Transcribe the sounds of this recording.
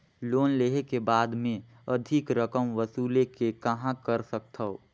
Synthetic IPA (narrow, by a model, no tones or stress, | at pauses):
loːnleːɦekebaːd̪mẽ | ɐd̪ʱɪkɾəkəmʋəsuːlekekɐɦãkəɾsək̚t̪ʰə